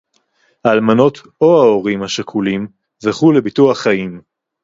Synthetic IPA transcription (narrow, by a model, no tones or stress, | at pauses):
haːlmano̞t̪ | o̞haoʁimhaʃakʰulim | zaχulebituaχajim